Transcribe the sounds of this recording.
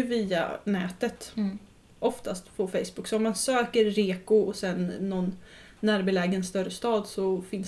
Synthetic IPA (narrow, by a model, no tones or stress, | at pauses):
viːa̰nɛːt̪ət̪ | ʔɔft̪ast̪pʰɔfɛjsbɵkːsɔɔmansøːkəɾːeːkʊɔsɛnːɔnː | æːɾbɪlɛːɡənst̪œɾəst̪ɑːd̪sɔfɪns